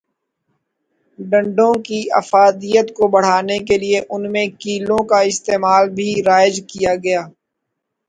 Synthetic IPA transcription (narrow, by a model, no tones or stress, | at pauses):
ɖɐ̃ɳɖõkiɐ̰faːd̪ijət̪kobɐɽ̤aːnek̬elieʔʊnmẽkiːlõkaɪst̪eːmaːlbʱiɾaːɪzkijaɡɐjaː